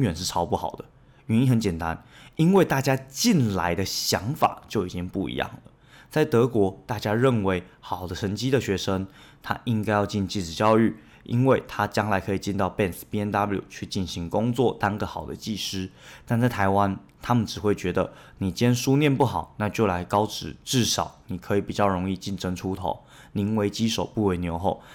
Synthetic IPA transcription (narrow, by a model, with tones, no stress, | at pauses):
ŋɥɛ˨˩nʂɻ̩˥˩ʈ͡ʂʰɑ˧˥ʊpu˥˩xɑ̰˨˩ʊd̪ə˦ | y˧˥ni˥xə˧˦nt͡ɕjɛ˨˩nt̪a̰˦ni˥nwe˥˧ɪt̪a˥˩t͡ɕja˥t͡ɕi˥˩nla˧˦ɪd̪ə˧ɕjɑ˧˦ŋfa̰˨˩t͡ɕjo˥˩ʊi˨˩t͡ɕi˦˥ŋpu˥˩ḭ˧˦jɑ̰˥˩ŋlə̰˩ | t͡sa˥˩ɪt̪ɤ˧˦˥kwɔ˧˥t̪a˥˩t͡ɕja˥ɻə˥˩nwe˧˥ɪ | xɑ˨˩ʊd̪ə˦ʂʰə˧˥nt͡ɕi˥d̪ə˨ɕɥɛ˧˥ʂə˥ŋ | t̪ʰa̰˦ʔi˥ŋka˥ɪjɑ˥˧ʊt͡ɕi˥˧nt͡ɕi˥˩ʈ͡ʂɻ̩˨˩t͡ɕjɑ˥˧ʊy˥˩ | ʔḭ˦˥nwe˥˩ɪt̪ʰa˦t͡ɕjɑ˥ŋla˧˥ɪkʰɤ˧˥i˨˩t͡ɕi˥˧nt̪ɑ˥˧ʊpɛ˥˨˩nspi˧˥ɛ˧˥nd̪a˥plṵ˨˩t͡ɕʰy˥˧t͡ɕi˥˩nɕi˧˦ŋkʊ˥ŋt͡swɔ˥˨˩t̪a˥ŋɡə˨˩xɑ˨˩ʊd̪ə̰˦t͡ɕi˥˧ʂɻ̩˥t̪a˥˧nt͡sa˥˩ɪt̪ʰa˧˥ɪwa˦n | t̪ʰa˥mə˨nʈ͡ʂɻ̩˨˩xwe˥˩ɪt͡ɕɥɛ˧˥d̪ə˨ | ni˨˩t͡ɕjɛ˥nʂu˦njɛ˥˨npu˥˩xɑ˨˩˦ʊna˥˧t͡ɕjo˥˩la˧˥ɪkɑ˥ʊʈ͡ʂɻ̩˨˩ʈ͡ʂɻ̩˥˩ʂɑ˨˩ʊni˨˩kʰɤ˧˥i˨˩pi˨˩t͡ɕjɑ˥˩ʊɻo˧˥ŋi˥˧t͡ɕi˥˩nʈ͡ʂə˥ŋʈ͡ʂʰu˥t̪ʰo˨˦ʊ | ni˧˥ŋwe˧˥ɪt͡ɕi˥ʂo˨˩ʊpu˥˩we˧˥ɪnjo˧˥ʊxo˥˩ʊ